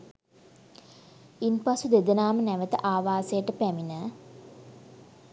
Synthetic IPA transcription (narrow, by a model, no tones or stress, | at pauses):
inpasud̪ed̪ənaːmənæʋət̪əʔaːʋaːsəjəʈəpæminə